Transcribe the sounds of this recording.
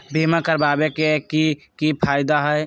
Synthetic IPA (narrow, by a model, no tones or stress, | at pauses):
bʱimakəɾbabekeki | kipʰaɪd̪aɦəj